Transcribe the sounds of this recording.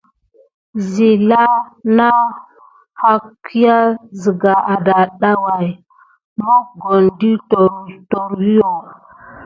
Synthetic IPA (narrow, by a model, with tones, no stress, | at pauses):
zi˨la˦na˦ | ha˦ki˦ja˦zi˨ɡa˨ʔa˨da˨ɗa˦wa˨j | mo˦ɡo˨ndi˦to˨ɾto˨ɾwi˦jo˨